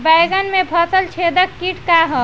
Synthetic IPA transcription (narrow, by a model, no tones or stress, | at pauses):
bajɡənmepʰət̪əlt͡ʃʰed̪əkkiʈkaɦə